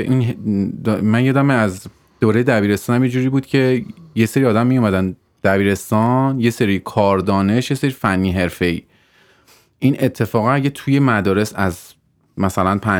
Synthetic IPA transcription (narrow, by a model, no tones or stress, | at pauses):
ʔinɦd̪mænjɒːd̪æmeæz | d̪̥oːɾejed̪æbiːɾe̞st̪ɒːnæmjed͡ʒuːɾiːbuːd̪cʰe̞jeseɾiɒːd̪æmːijomæd̪æn | d̪̥æbiːɾe̞st̪ɒnje̞seɾikʰɒːɾd̪ɒːne̞ʃje̞seɾifænːiɦe̞ɾfe̞ḭː | ʔine̞t̪ʰːe̞fɒːɣææɟet̪ʰuje̞mæd̪ɒːɾe̞sæz | mæsælænpʰæ